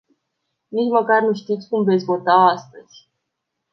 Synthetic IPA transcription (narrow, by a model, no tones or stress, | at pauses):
nit͡ʃməkarnuʃt̪it̪sʲkumve̞t̪sʲvo̞t̪aast̪əz̥ʲ